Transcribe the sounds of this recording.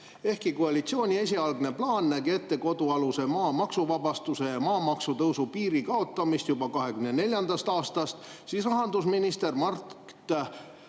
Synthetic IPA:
e̞hkikoɑlit̪sio̞ːnʲie̞s̬ʲiɑlɡne̞plɑːnːæɡet̪ːe̞ko̞d̪̥uɑluse̞mɑːmɑksuvɑbɑst̪use̞jɑmɑːmɑksut̪ɤwsupiːɾikɑo̞t̪ːˑɑmist̪jub̥ɑkɑɦe̞kymne̞ne̞lʲjɑnd̪̥ɑst̪ɑːst̪ɑst̪sisrɑɦɑnd̪usminist̪e̞rmɑrkt̪

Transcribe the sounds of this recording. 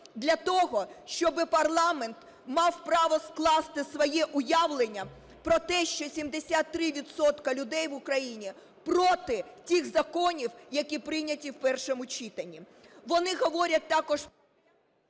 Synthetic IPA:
d̪lʲɐt̪ɔɦɔʃt͡ʃɔbɪpɐrlˠɑment̪ | mɑwpɾɑʋɔsklˠɑst̪ɪsʋɔjɛʔʊjɑʋlˠenʲːɐ | pɾɔt̪ɛʃt͡ʃɔsʲimd̪esʲat̪ːɾɪʋʲid̪sɔt̪kɐlʲʊd̪ɛjʋʊkɾɐjinʲi | pɾɔt̪ɪtʲixzɐkɔnʲiwjɐkʲipɾɪnʲɐtʲiwpɛrʃɔmʊt͡ʃʲit̪ɐnʲːi | ʋɔnɪɦɔʋɔɾʲɐt̚ʲt̪ɑkɔʒ

